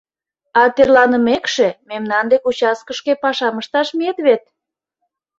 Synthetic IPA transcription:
ɑt̪erlɑnə̆mekʃe̽memnɑnd̪ekut͡ɕɑskəʃkepɑʃɑməʃt̪ɑʃmet̪βet̪̚

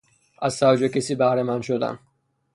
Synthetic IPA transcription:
ʔæzsæd͡ʒekʲesiːbæhɾemænʃod̪æ̰n

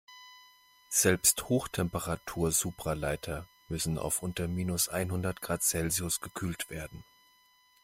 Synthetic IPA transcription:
z̥ɛlpsthoːxtʰɛmpəʁatʰuːɐzuːpʁ̥alaɪtʰɐ | mʏsn̩a̰ʊfʔʊntɐmiːnʊsʔa̰ɪnɦʊndɐtɡ̥ʁaːtt͡sɛlziʊsɡ̥əkʰyːltv̥eːɐdn̩

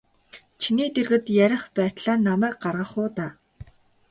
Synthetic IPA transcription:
t͡ɕʰiniːt̪erɣɘ̆t̪jæɾʲɪ̆χpæːt̪ɮaːnːamæːk̚ɢarʁə̆χʊːt̪aː

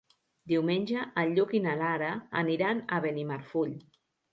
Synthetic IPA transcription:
d̪iwmenʲʒəʔːʎːukinalaɾa̰ːniɾanaβenimaɾfuʎ

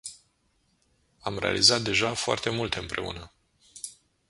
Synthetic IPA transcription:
amɾea̰lizat̪̚d̪e̞ʒafoa̰rt̪e̞mult̪ɨmpɾe̞ṵnə

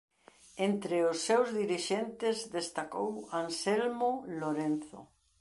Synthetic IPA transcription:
ent̪ɾɪʊsːewzðiɾiʃent̪ɪzðest̪ako̰wansɛlmoloɾenθo̰

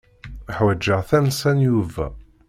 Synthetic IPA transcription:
əħwæd͡ʒːəʁθænsænjuvæ̰

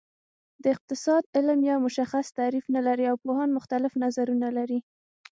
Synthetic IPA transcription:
d̪əɪq̚t̪ɪsɑd̪ɪlmjɑmʊʃaxast̪aɾifnalaɾiawpohɑnmʊxt̪alɪfnazaɾunalaɾi

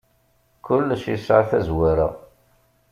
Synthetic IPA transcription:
kʊlːʃisʕaθæzwaɾa̰

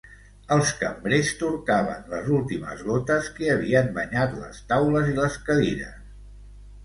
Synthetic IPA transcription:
əlˠskəmbɾest̪uɾkaβə̰nləzulˠt̪imə̰zɣɔt̪əskiəβ̞iəmbəɲat̪lə̰st̪awləziləskəðiɾə̰s

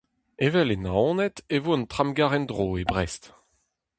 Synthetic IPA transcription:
evɛlenaɔ̃nɛt̪evoənt̪χamɡaʁɛndʁoːebʁɛst̪

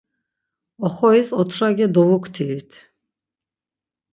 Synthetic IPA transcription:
ɔχɔisɔt̪ʰɾaɡɛd̪ɔvukʰt̪ʰiit̪ʰ

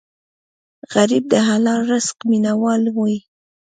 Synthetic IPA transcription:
ɣaɾib̚d̪əɦalɑɾasqminawɑlwoi

